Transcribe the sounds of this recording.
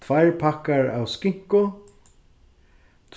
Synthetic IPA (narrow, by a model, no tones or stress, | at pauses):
t̪ʰvajɹpʰakaɹa̰wskɪŋ̥kʊ | t̪ʰ